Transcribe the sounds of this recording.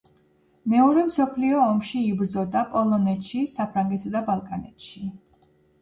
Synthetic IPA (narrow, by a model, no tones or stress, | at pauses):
mɛɔɾɛmsɔpʰliɔːmʃiːbɾd̪zɔd̪apʼɔlˠɔnɛt̪ʃisapʰɾaŋɡɛt̪sad̪abalˠkʼanɛt̪ʃi